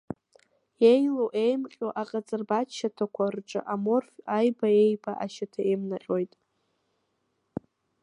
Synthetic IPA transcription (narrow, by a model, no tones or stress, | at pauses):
ejloʔejmqʲʼoʔaqʼat͡sʼɨrbaʃatʰakʷʰarʈ͡ʂʼa̰ʔamorfʲajbaejbaʔa̰ʃatʰaemnaqʲʼojtʼ